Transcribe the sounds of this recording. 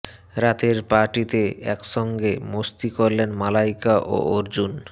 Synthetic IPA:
ɾat̪eɾpaɾʈit̪eɛ̰kʃɔŋɡemost̪ikoɾlenmalajkaʔo̰oɾd͡ʑun

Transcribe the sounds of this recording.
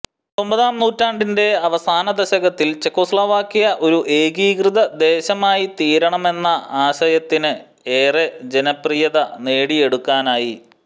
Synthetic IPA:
t̪o̞mbɐðaːmnuːtːaːɳɖinde̞ɐʋɐsaːnɐd̪ɐɕɐɡɐt̪ːilt͡ɕe̞kːoːslaːʋaːkːijɐʔo̞ɾuʔe̞ːɡiːkrɨðɐd̪e̞ːɕɐmaːjit̪iːɾɐɳɐme̞nːɐaːɕɐjɐt̪ːinɨ | eːred͡ʑenɐprijɐðɐne̞ːɽie̞ɽukːaːnaːji

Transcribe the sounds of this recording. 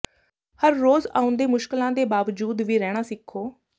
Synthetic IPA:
həɾːoːza̰ːʊ̃nd̪eːmʊʃkɪlãːd̪eːbaːʋd͡ʒuːd̪ʋiːɾɛːɽ̃aːsɪkʰːoː

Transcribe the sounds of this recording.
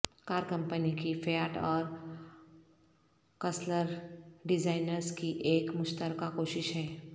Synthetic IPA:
kaːɾkɐ̃mpənikifeaːʈɔːɾ | kɐsləɾɖɪzaːɪnəɾzkiʔeːkmʊʃt̪əɾkakoːʃɪʃɦɛː

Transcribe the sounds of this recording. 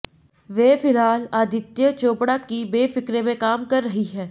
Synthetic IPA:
ʋeːfɪlɦaːlaːd̪ʱɪt̪jət͡ʃoːpɽakibeːfɪkɾẽmẽkaːmkɐɾːɐɦiɦɛː

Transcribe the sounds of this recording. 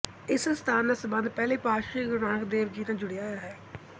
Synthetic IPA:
ɪsst̪ʰaːnd̪aːsəbə̃nd̪pɛːleːpaːʃiːɡʊɾãːkd̪eːʋd͡ʒiːnãːd͡ʒʊɽeaːjaːɦɛː

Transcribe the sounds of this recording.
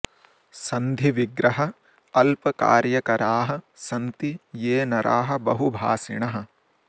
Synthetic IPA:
sɐnd̪ʱiʋiɡɾɐɦɐ | ɐlpɐka̰ːɾjɐkɐɾaːɦɐsɐnt̪ijeːnɐɾʔaːɦɐ̆bɐɦubʱaːsiɳɐɦɐ̆

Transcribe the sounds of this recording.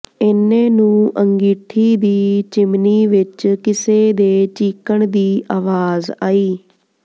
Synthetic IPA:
ɪnẽːnũːʔəŋɡiːʈ̪ʰiːd̪iːt͡ʃɪmniːʋɪt͡ʃkɪseːd̪eːt͡ʃiːkəɳd̪iːʔaːʋaːza̰ːiː

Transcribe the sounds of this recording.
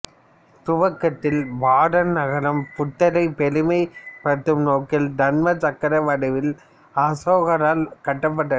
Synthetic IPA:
t̪ʊʋɐkːɐt̪ːɪlʋaːɽɐnnɐɣɐɾɐmpʊt̪ːɐɾɐɪpɛlɯmɐɪpɐt̪ːɯmnoːkɪld̪ɐnmɐt̪ɐkːɐɾɐʋɐɽɐʋɪl | aːsoːɣɐɾaːlkɐʈːɐp̬ːɐʈːɐ

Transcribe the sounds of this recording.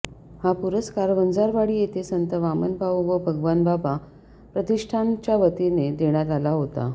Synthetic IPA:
hapuɾəskaɾʋənd͡zaɾʋaɽiːjet̪esənt̪əʋamənbʱawʋəbʱəɡʋanbaba | pɾət̪iʂʈʰant͡ɕjaʋət̪ined̪eɳ̃jat̪alaɦot̪a̰

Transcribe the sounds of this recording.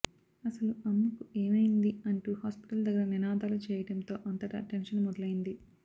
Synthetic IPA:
ɐsɐluɐmːɐkue̞ːmɐjind̪iɐɳʈuhaːspi̥ʈɐld̪ɐɡːɐɾɐninaːd̪aːlut͡ʃɛːjɐɽɐnt̪o̞ːʔɐnt̪ɐʈɐ̰ʈenʂɐnmɔd̪ɐlɐjind̪i

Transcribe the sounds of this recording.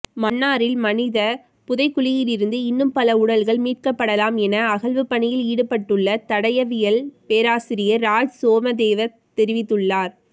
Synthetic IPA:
mɐnːaːɾɪlmɐnɪðɐ | pʊðɐɪkːʊlɪjɪlɪɾɯnd̪ɯɪnːɯmpɐlɐʊɽɐlɣɐɭmiːʈ̚kɐpːɐɽɐlaːmɛnɐɐɣɐlʋɯpːɐɳɪjɪliːɽɯpːɐʈːɯɭːɐt̪ɐɽɐjɐʋɪjɐlpeːɾaːsɪɾɪjɐɾaːd͡ʒsoːmɐd̪eːʋɐ | t̪ɛɾɪʋɪt̪ːɯɭːaːɾ

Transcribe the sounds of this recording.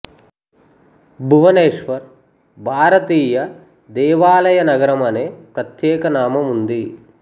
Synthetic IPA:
bʱuʋɐneːʂʋɐɾ | bʱaːɾɐt̪iːjɐ | d̪ɛːʋaːlɐjɐnɐɡɐɾɐmɐneːpɾɐt̪jɛːkɐnaːmɐmund̪i

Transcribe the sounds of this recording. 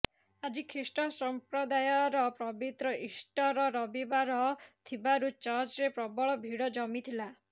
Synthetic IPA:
ad͡ʒikʰɾisʈɔsɔmpɾɔd̪ajɔɾɔpɾɔbit̪ɾɔʔisʈɔɾɔɾɔbibaɾɔt̪ʰibaɾut͡ʃɔɾt͡ʃɾepɾɔbɔɭɔbʱiɽɔd͡ʒɔmit̪ʰila

